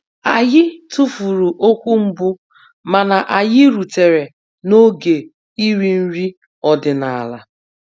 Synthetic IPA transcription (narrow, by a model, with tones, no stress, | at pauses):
a˨jɪ˦tu˦fu˨ɾu˨ʔo˦kʷu˦m̩˦bʊ˦ | ma˨na˨ʔa˨jɪ˦ɾu˨te˨ɾe˨ | no˦ɡe˨ | i˦ɾi˦n̩˦ɾi˦ | ɔ˨dɪ˨na˨a̰˨la˨